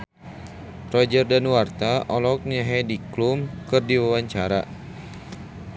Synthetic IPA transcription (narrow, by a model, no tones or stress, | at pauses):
rɔd͡ʒərdanwart̪aʔɔlɔk̚naɦɛdiklumkɨrdiwawaɲt͡ʃaɾa̰